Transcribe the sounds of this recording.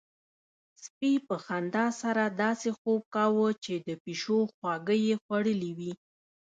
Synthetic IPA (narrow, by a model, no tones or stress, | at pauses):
spipəxand̪ɑsaɾad̪ɑsexob̚kɑwət͡ʃed̪əpiʃoxwɑɡəjexwaɽəliwi